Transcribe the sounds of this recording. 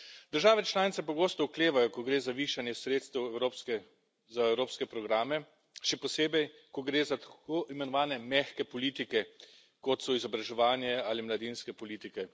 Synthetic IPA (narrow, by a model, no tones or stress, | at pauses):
d̪̥əɾʒaːʋɛt͡ʃlaːnit̪sɛpɔɡoːst̪ɔukleːʋajɔkɔɡɾeːzaʋiːʃanjɛsɾeːt̪st̪ɛwɾo | zaɛwɾoːpskɛpɾɔɡɾaːmɛ | ʃɛpɔseːbɛjkɔɡɾeːzat̪koʔimɛnɔʋaːnɛmɛxkɛpɔliːt̪ikɛ | kɔt̪sɔizɔbɾaʒɛʋaːnjɛaːlimlad̪iːnskɛpɔliːt̪ikɛ